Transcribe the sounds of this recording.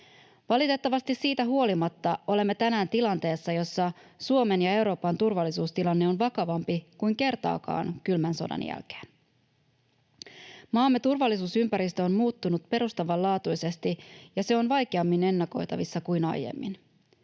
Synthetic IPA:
ʋɑlit̪e̞t̪ːɑʋɑst̪isːiːt̪æɦuo̞limɑt̪ːɑo̞le̞mːe̞t̪ænæːnt̪ilɑnt̪e̞ːsːɑjo̞sːɑsuo̞me̞njɑe̞wɾo̞ːpɑnt̪urʋɑlːisuːst̪ilɑnːe̞o̞nʋɑkɑʋɑmpikujŋke̞rt̪ɑ̰ːkɑ̰ːnkylmænso̞̰dɑ̰njæ̰lk̟e̥ːn | mɑːmːe̞t̪urʋɑlːisuːsympæɾist̪øonmuːt̪ːunut̪pe̞ɾust̪ɑʋɑlɑːt̪ujse̞st̪ijɑse̞o̞nʋɑjkeɑmːine̞nːɑko̞jt̪ɑ̰ʋisːɑkujnɑ̰jjḛmːḭn

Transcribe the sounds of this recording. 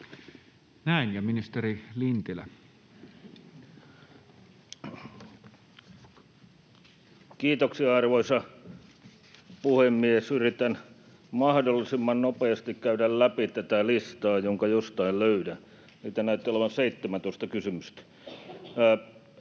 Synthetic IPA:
næinjɑminist̪erilint̪ilæ̰ | kiːt̪oksiɑɑrʋoisɑ | puhemːiesyrit̪æn | mɑhdolːisimːɑnnopeɑst̪ikkæyɾællæpit̪æt̪ælist̪ɑːjoŋkɑjost̪ɑilløydæ | siːt̪ænæyt̪ːeoleʋɑnseit̪ːemænt̪oˑĭst̪ɑkysymyst̪æ̥

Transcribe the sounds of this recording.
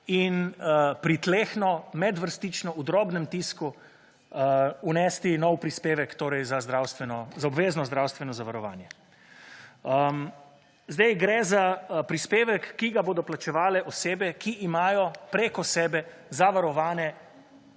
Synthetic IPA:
inpɾit̪leːxnɔmɛd̪ʋəɾst̪it͡ʃnɔud̪ɾɔːbnɛmt̪iːsku | unɛst̪inɔwpɾispeːʋɛkt̪oːɾɛjzazd̪ɾaːwst̪ʋɛnɔzaɔbʋeːznɔzd̪ɾawst̪ʋɛnɔzaʋaɾɔʋaːnjɛ | zd̪ajɡɾɛzapɾispeːʋɛkːiɡaboːd̪ɔplat͡ʃɛʋaːlɛʔɔseːbɛkiʔːmaːjɔpɾeːkɔsɛːbɛ | zaʋaɾɔʋaːnɛ

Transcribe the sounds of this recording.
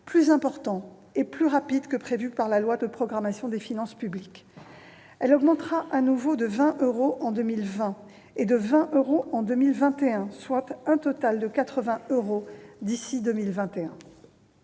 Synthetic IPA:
plyzɛ̃pɔʁt̪ɑ̃ | eplyʁapid̪kəpχevypaʁlalwad̪əpχɔɡʁamasjɔ̃d̪efinɑ̃spyblikʲ | ɛlɔɡmɑ̃t̪χaʔanuvod̪əvɛ̃ʔøʁoʔɑ̃d̪ømilvɛ̃ | ed̪əvɛ̃ʔøʁoʔɑ̃d̪ømilvɛ̃t̪eɛ̃swat̪ɛ̃t̪ɔt̪ald̪əkat̪χəvɛ̃øʁod̪isid̪əmilvɛ̃t̪eɛ̃

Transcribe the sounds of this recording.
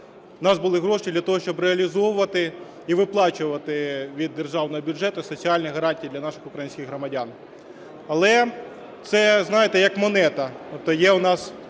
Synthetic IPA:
nɑzbʊlˠɪɦɾɔʃt͡ʃʲid̪lʲɐt̪ɔɦɔʃt͡ʃɔbɾeɐlʲizɔʋʊʋɐt̪ɪ | iʋɪplˠɑt͡ʃʊʋɐt̪ɪʋʲid̪ːerʒɑwnɔɦɔbʲʊʐɛt̪ʊsɔt͡sʲiɑlʲnijɦɐɾɑnʲtʲijːd̪lʲɐnɑʃɪ̥xʊkɾɐjinʲsʲkʲɪxɦɾɔmɐdʲan | ɐlˠɛ | t̪sɛznɑjet̪ɛjɐkmɔnɛt̪ɐt̪ɔp̚t̪ɔjɛʊnɑs

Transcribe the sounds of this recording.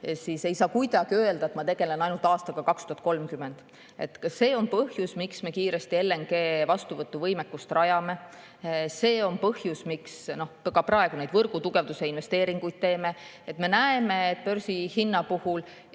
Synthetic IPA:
sise̞jsɑːkujd̪ɑɡ̥iøeld̪̥ɑet̪mɑt̪e̞ɡ̥e̞le̞nɑjnult̪ɑːst̪ɑɡ̥ɑkɑkst̪uhɑt̪̚ko̞lmkyme̞nd̪̥ | e̞t̪ːˑkɑse̞ːo̞npɤhjusmiksme̞kiːɾe̞st̪ielːe̞ŋɡ̥e̞ːvɑst̪uvɤt̪ːˑuvɤjmekːust̪rɑjɑme̞ | se̞ːo̞npɤhjusmiksno̞hkkɑprɑe̞ɡ̥unejd̪vɤrɡ̥ut̪uɡ̥e̞vd̪use̞inve̞st̪e̞ːɾiŋɡ̥ujd̪̥̚t̪e̞ːme̞ | et̪me̞næeme̞ːt̪̚ːˑpørsihinːɑpuhul

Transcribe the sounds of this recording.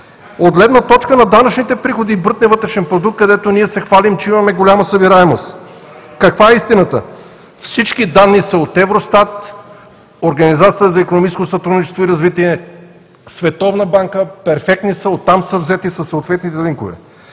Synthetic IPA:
od̪̚ɡlɛd̪nət̪ɔt͡ʃkənɐd̪anət͡ʃnit̪ɛpɾixod̪iːbəɾt̪nɛvɤt̪ɾɛʃɛnpɾod̪uk̚t̪kɐd̪ɛt̪oniɛsɛxvalimt͡ʃɛimɐmɛɡolʲaməsəbiɾaɛmost̪ | kɐkvaɛist̪inət̪ə̰ | fsit͡ʃkid̪anːisəot̪ɛvɾost̪at̪ | oɾɡɐnizat̪sijəzɐikonomit͡ʃɛskosɐt̪ɾud̪nit͡ʃɛ̥st̪voiɾɐzvit̪iɛ | svɛt̪ɔvnəbaŋkəpɛɾfɛk̚t̪nisəot̪ːamsəvzɛt̪isɐsːoot̪vɛt̪nit̪ɛɾiŋkovɛ̰

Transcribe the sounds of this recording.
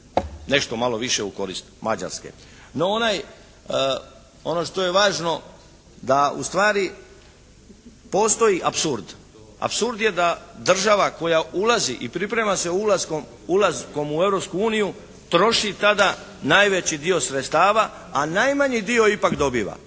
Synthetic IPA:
ne̞ʃt̪o̞malo̞ʋiʃeuko̞ɾḭst̪ma̰d͡ʑa̰ɾskḛ | noonaj | o̞no̞ʃt̪o̞je̞ʋaːʒno̞ | d̪aṵst̪ʋaːɾi | po̞st̪o̞jiʔapsuɾd̪ | a̰psuɾd̪je̞d̪ad̪r̩ʒaʋako̞jaulaziʔipɾipɾe̞mase̞ulazkom | ulazko̞mue̞vɾo̞pskuuːniju | t̪ɾo̞ʃit̪ad̪a | najʋe̞t͡ɕid̪io̞sɾet̪st̪aːʋa | anajmaɲid̪io̞ipakd̪o̞biːʋa̰

